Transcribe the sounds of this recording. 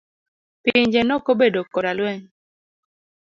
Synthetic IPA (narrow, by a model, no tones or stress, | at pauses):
pɪɲd͡ʒenɔkobedokɔɾalwɛŋ